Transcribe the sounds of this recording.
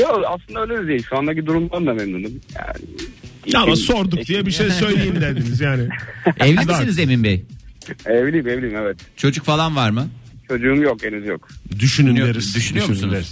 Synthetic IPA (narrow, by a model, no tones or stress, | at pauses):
joaslˠɯnd̪aøjlʲemizeiʃuand̪acid̪uɾumd̪ˠand̪amɛmnunumja̰ːnɪ̰amaso̞ɾd̪ukd̪ijɛbiʃejsø̞jlʲejimd̪ed̪inizjaːnɪɛvlʲid̪isinizeminbej | evlʲiimevlʲiimɛvɛt̪t͡ʃʰo̞d͡ʒukfalˠanvaɾmɯt͡ʃʰo̞d͡ʒuːmjokenyzjokd̪yʃynyyjeɾizd̪yʃynyjo̞ɾmusuneɾz